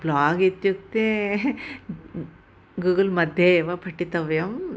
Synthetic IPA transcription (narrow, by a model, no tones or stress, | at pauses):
blaːɡit̪juk̚t̪e | ɡuːɡɐlmɐd̪ʱjeʋɐpʰɐʈːit̪ɐʋɐjɐm